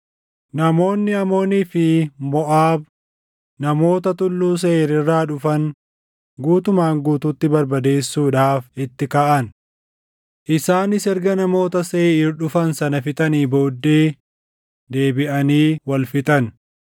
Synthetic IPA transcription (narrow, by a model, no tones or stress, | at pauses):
nɐmo̞ːnːɪɐmo̞ːniːfɪmɔʔaːb | nɐmo̞ːt̪ɐt̪ʊlːuːs̬eːɾɪrːaːᶑʊfɐn | ɡuːt̪ʊmaːŋɡuːt̪ut̪ːɪbɐɾbɐd̪e̞ːsːuːᶑaːfɪt̪ːɪkaːʔɐn | ʔɪsaːnɪsɛɾɡɐnɐmo̞ːt̪ɐseːɪɾᶑʊfɐnsɐnɐfɪt̪ʼɐniːbo̞ːd̪ːe̞ː | d̪e̞ːbɪʔɐniːwɐlfɪt̪ɐn